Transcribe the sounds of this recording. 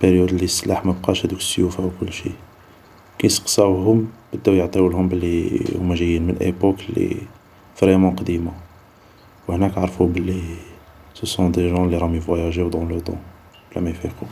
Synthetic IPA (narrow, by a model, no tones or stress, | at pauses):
peɾjud̪əlisːlaħmæbqɑʃhæd̪ukə̥sjufawkʊlːʃḭ | kæjsəqsæhʊmbəd̪ːæwjəʕt̪ˤiwlhʊmbəlːihʊ̰mːæʒəjːinmə̰nʔḛpoklːḭ | vɾemɑ̃qd̪imɑa | whnækʕaʕɾˤfubəlːi | səsɔ̃d̪eʒɑ̃lːiɾˤɑmifwæjæʒiwd̪ɑ̃lət̪ɑ̰̃ | blːæ̰mæjfiqu